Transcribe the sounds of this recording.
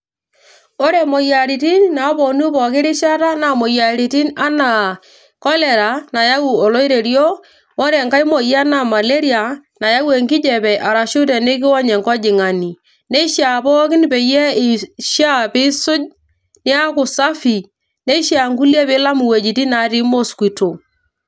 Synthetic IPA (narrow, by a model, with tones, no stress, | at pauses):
ɔ˦ɾe˨mɔ˨ja˨ɾi˨ti˦nna˨˦pɔ˨nu˦pɔ˨kɪ˦ɾɪ˦ʃa˦ta˦na˨mo˨ja˨ɾi˨ti˦na˦na˨ | kɔ˦lɛ˨ɾa˨na˨ja˦wu˨ɔ˨lɔ˦ɪ˦ɾe˨ɾjoː˦ | ɾɛ˨ŋka˦i˦mɔ˨ja˦na˨ma˨le˦ɾi˦a˨na˨ja˦we˨ŋkɪ˦d͡ʒɛ˨pɛ˨ʔa˨ɾa˨ʃʊ˦tɛ˨ne˦k̬ɪ˦wɔ˦ɲɛ˨ŋkɔ˦d͡ʒɪ˨ŋa˨ni˨ | ne˦ʃa˨pɔ˦kɪ˦n˦pe˨jɛ˦ɪ˨ʃa˦pɪ˦sʊ˦d͡ʒ | nɪ˦a˦kʊ˨sa˦fi˨ | ne˦ʃja˨ŋku˦ljɛ˦pɪ˨˦la˦mu˨we˨d͡ʒi˨ti˦na˨ɾi˦mo˦skwi˨to˨